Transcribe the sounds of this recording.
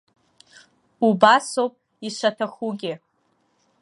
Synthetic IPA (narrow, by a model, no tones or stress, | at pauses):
ubasowpʼ | iʃʷatʰaχuɡʲɪ